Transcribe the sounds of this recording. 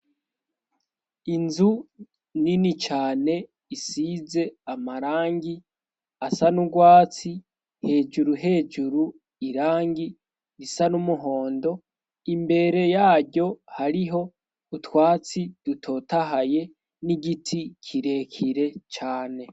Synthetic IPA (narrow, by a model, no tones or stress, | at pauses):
inzu | ninit͡ʃaːne̞ | isize̞amaɾaːŋɡi | asanuɡwaːt͡si | he̞d͡ʒuɾuɦe̞ːd͡ʒuɾu | iɾaːŋɡi | ɾisanumuɦo̞ːndo̞ | imbe̞ɾe̞jaːɾɟo̞haɾiɦo̞ | utwaːt͡sid̥utʰo̞taɦaje̞ | niɡitʰikʰiɾe̞kʰiɾe̞t͡ʃaːne̞